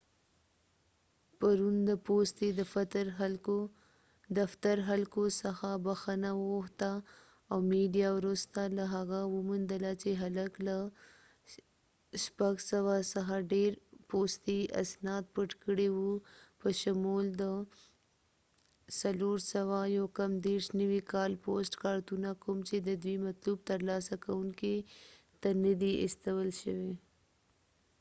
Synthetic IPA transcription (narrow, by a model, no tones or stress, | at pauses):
paɾund̪əpost̪ed̪əfat̪ɾo | d̪aft̪aɾɦalkosəxabaxənawəxt̪aː | wmeɖijawɾust̪alaɦaɣawəmund̪əlat͡ʃeɦaləkla | ʃpaɡsawasəxaɖeɾpoːst̪iɐ̰snɑːt̪̚pəʈkəɽewupəʃəmuːld̪ə | sɐloːɾsɐwajokɐmd̪eːɾʃnəwikɑːlpoːsʈkaːɾt̪unakʊmt͡ʃed̪əd̪wimɐt̪luːb̚t̪ɐɾlaːsakawunke | t̪anəd̪iɪ̰st̪əwəlʃəwe